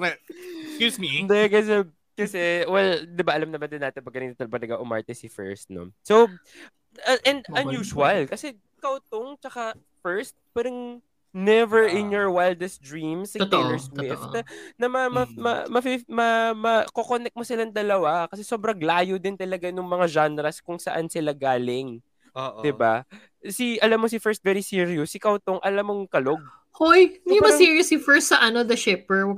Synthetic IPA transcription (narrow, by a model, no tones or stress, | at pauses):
kskjuːmind̪ɛkɐs̬ɛ | kɐsɛwɛld̪ɪbaʔɐlɐmnɐmɐnd̪ɪnːaːt̪ɪnpɐɡɐniːt̪ot̪ɐlbɐlɐɡaʔʊma̰ɹt̪ɛsɪfɛ̰ɹst̪̚no̰sow | ɐʔɛnd̪ɐnjuːʃʊwɐlkɐsɛ | kɐwt̪oŋt͡ʃɐka | fɛɹst̪̚pɛɾɪŋ | nɛvɛɹʔɪnjɔɹwajld̪ɛsd̪ɹimsɪalɛɹswɪft̪nɐmɐmɐmɐ̰mɐfimɐmɐkokonɛk̚mosɪland̪ɐlɐwakɐsɛsobɾɐɡlaːjod̪ɪnt̪ɐlɐɡanʊŋmɐŋad͡ʒanɾɐskʊŋsɐʔansɪlaɡaːlɪŋ | odd̪ɪba̰ | siʔɐlamːos̬ifɛɹst̪̚vɛɾisiɾiosːɪkɐwt̪oŋʔɐlamːoŋkɐloɡ̚ | ojumɐsiɹiɐslifɛɹst̪sɐʔɐnɔd̪ɐʃɛpɛɹ